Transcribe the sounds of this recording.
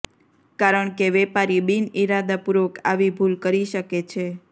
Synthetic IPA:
kaɾəɳkeʋɛpaɾibiniɾad̪apuɾʋəkʰa̰ʋibʱulkəɾiʃəket͡ʃʰe

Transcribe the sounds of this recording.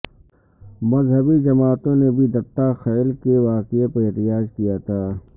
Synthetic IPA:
mɐzɦəbid͡ʒɐmaːt̪õnebʱid̪ɐpt̪axɛːlkeʋaːqeəpeɦt̪ɪjaːd͡ʒkijat̪ʰaː

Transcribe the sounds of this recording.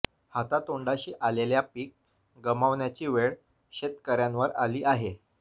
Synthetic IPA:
hat̪at̪oɳɖaɕiːʔaleljapiːk̚ | ɡəmaʋnjat͡ɕiːʋeɭ | ɕet̪kəɾjanʋəɾaliːʔaɦe

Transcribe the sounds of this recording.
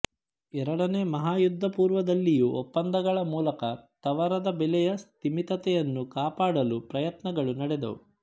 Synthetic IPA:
ɛɾɐɽɐneːmɐɦaːjud̪ʱːɐpuːɾʋɐd̪ɐlːijuʔɔpːɐnd̪ɐɡɐɭɐmuːlɐkɐt̪ɐʋɐɾɐd̪ɐbɛlɛjɐst̪imit̪ɐt̪ɛjɐnːukaːpaːɽɐlupɾɐjɐt̪nɐɡɐɭunɐɽɛd̪ɐ̰u

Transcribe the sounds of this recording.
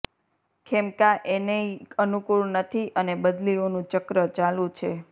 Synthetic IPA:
kʰɛmkaʔeneənukuɭnət̪ʰiʔənebəd̪lionũt͡ʃəkɾət͡ʃalũt͡ʃʰe

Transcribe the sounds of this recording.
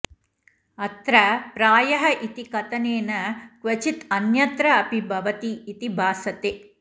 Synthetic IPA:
ɐt̪ɾɐpɾaːjɐɦɐʔit̪ikɐt̪ɐneːnɐkʋɐt͡ʃit̪ɐnjɐt̪ɾɐɐpibʱɐʋɐt̪iːt̪ibʱaːsɐt̪eː

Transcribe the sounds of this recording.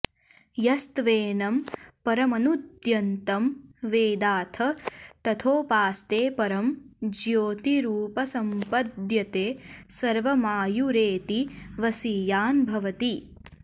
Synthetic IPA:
jɐst̪ʋeːnɐmpɐɾɐmɐnud̪jɐnt̪ɐmʋeːd̪aːt̪ʰɐt̪ɐt̪ʰoːpaːst̪eːpɐɾɐmd͡ʒjoːt̪iɾuːpɐsɐmpɐd̪jɐt̪eːsɐɾʋɐmaːjuɾeːt̪iʋɐsiːjaːnbʱɐʋɐt̪i

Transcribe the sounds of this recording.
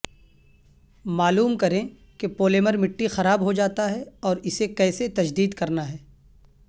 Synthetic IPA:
maːluːmkɐɾẽ | kepoːleːməɾmɪʈːixɐɾaːbɦod͡ʒaːt̪aɦɛɔːɾɪsekɛːset̪ɐd͡ʒd̪iːd̪kɐɾnaɦɛː

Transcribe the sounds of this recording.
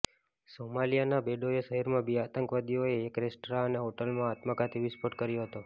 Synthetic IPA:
somalijanabeɖoesəɦiɾmãbiat̪əŋkʋad̪ijoeːkɾesʈɾaəneɦoʈəlmãat̪məkat̪ʰiʋɪspoʈkəɾjoɦət̪o

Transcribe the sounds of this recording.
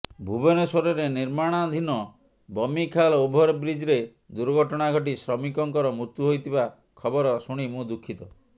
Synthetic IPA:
bʱubenɔsoɾɔɾeniɾmaɽ̃ad̪ʱinɔ | bɔmikʰalɔubʱɔɾɔbɾid͡ʒɾe | d̪uɾɡʱɔʈɔɽ̃aɡʱɔʈ̬isɾɔmikɔŋkɔɾɔmɾuɾt̪juɦojt̪ʰiba | kʰɔbɔɾɔsuɽ̃imũd̪ukʰːit̪ɔ

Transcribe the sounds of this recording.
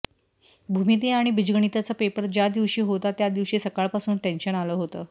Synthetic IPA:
bʱumit̪eaɽ̃ibid͡ʑɡəɳ̃it̪at͡səpepəɾd͡ʑjad̪iʋɕiːɦot̪at̪jad̪iʋɕiːsəkaɭpasuːnʈenɕənaləɦot̪əː

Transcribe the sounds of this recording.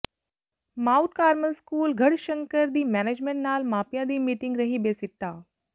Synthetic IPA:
maːʊʈ̚kaːɾməlskuːlɡʱɐɽʃə̃ŋkəɾd̪iːmɛːneːd͡ʒmẽɳʈnaːlmaːpijãd̪iːmiːʈɪŋɡɾɐɦibeːsɪʈːaː

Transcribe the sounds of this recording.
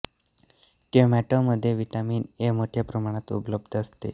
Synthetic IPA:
kemæʈoməd̪ʱːjeʋiʈamiːnemoʈʰjapɾəmaɽ̃at̪ṵpləbd̪ʱəst̪ḛ

